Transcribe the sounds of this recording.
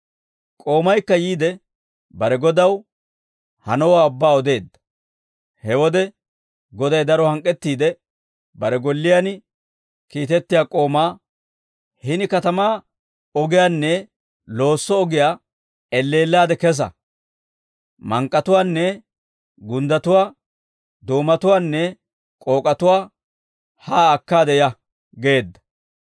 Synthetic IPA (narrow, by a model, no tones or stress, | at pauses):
kʼo̞ːmɐjkːɐjiːd̪ɛ | bɐɾɛɡɔd̪ɐw | hɐ̰nɔwaːʊbːaːɔd̪e̞ːd̪ːɐ̥ | hɛwɔd̪ɛ | ɡɔd̪ɐjd̪ɐɾɔhɐŋkʼːɛt̪ːiːd̪ɛ | bɐɾɛɡɔlːɪjan | kiːt̪ɛt̪ːɪjaːkʼo̞ːmaː | hɪnɪkɐt̪ɐmaː | ɔɡɪjaːnːɛ | lo̞ːsːɔɔɡɪjaː | ɛlːeːlːaːd̪ɛkɛs̬ɐ̰ | mɐŋkʼːɐt̪ʊwaːnːɛ | ɡʊnd̪ɐt̪ʊwaː | d̪oːmɐt̪ʊwaːnːɛ | kʼo̞ːkʼɐt̪ʊwaː | haːkːaːd̪ɛjɐ | ɡe̞ːd̪ːɐ̥